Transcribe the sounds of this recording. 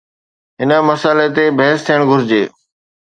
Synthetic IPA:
ɦɪnə̆məsaːlet̪ebʱɐɦst̪ʰijəɽ̃ɡʱʊɾɪd͡ʑeː

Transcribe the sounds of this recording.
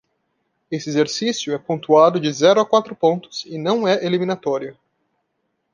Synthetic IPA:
esɪezeɾsisjʊɛpõnt̪uad̪ʊd͡ʒɪzɛɾʊakwat̪ɾʊpõnt̪ʊ̥sɪnɐ̃w̃ɛʔelimĩnat̪ɔɾjʊ

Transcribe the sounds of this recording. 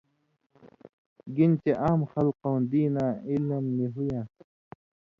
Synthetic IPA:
ɡint͡ɕeʔaːmxɐlqõwnd̪iːnaːilmːiɦujãː

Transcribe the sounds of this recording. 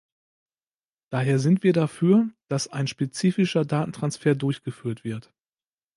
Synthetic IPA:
d̥aːɦeːɐzɪntv̥iːɐdafyːɐd̥asaɪnʃpet͡siːfɪʃɐdaːtn̩tʁ̥ansfeːɐdʊɐçɡ̥əfyːɐtv̥ɪɐt

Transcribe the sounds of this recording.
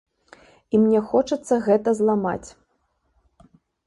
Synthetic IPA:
imnʲɛxɔt͡ʂɐt̪sːɐɣɛt̪ɐzlˠama̰t͡sʲ

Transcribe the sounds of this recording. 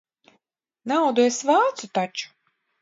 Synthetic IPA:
nawd̪uesvaːt̪sut̪at͡ʃu̥

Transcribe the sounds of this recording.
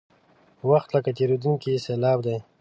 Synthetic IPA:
waxt̪ləkat̪eɾod̪uŋkiselɑb̚d̪ej

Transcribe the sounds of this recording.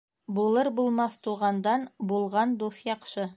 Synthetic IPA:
bulˠɤɾbulˠmɑθt̪uʁɑnd̪ɑnbulˠʁɑnd̪uθjɑqʃɤ

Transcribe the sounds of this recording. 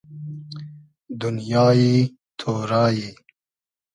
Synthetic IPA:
d̪ʊnjɑːji | t̪ʰoːɾɑːji

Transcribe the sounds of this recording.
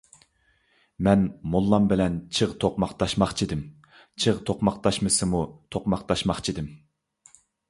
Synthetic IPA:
mɛnmolˠːɑmbɪlɛnt͡ʃʰɨʁt̪ʰoqmɑqt̪ɑʃmɑχt͡ʃʰid̪ɪm | t͡ʃʰɨʁt̪ʰoqmɑqt̪ʰɑʃmɨsɨmut̪ʰoqmɑqt̪ɑʃmɑχt͡ʃʰid̪ɪm

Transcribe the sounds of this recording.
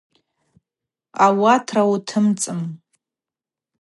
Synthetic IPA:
awatʰrawtʰɨmt͡sʼɨm

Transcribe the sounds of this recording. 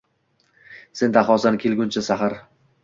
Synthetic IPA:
se̞nd̪aχɒsankʲʰelˠɡʲʊnt͡ʃʰɪsaχaɾ

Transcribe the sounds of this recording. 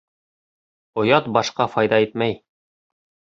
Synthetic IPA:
ŏjɑt̪̚bɒʃqɑfɒjd̪ɑit̪̚mæj

